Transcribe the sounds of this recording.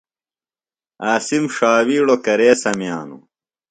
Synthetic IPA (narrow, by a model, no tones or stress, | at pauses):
aːsimʂaːwiːɽokɐɾeːsɐmjaːnṵ